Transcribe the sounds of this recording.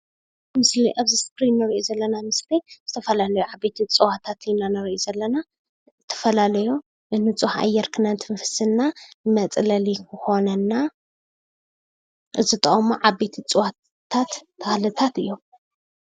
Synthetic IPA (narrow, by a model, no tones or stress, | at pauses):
mɨsliʔaβziskɾinːɐɾiʔozɐlːɐnamɨsliz̥ɨt̪ʰɐfɐlalɐjuʕabe̞t̪ʰit͡sʼɨwat̪ʰat̪inanɐɾʔozɐlːɐna | zɨt̪ʰɐ̥fɐlalɐju | nɨnɨt͡sʼuha̰jɛɾkʰɨnant̪ʰɨmɐfɨ̥sɨnːamɐt͡sʼlɐlikʰɨxo̞nɐnːa | ʔɨzɨt̪ʼɐχʼmoʕabet̪ʰit͡sʼɨwa | t̪ʰːat̪ʰːɐxlɨt̪ʰat̪ɨjːom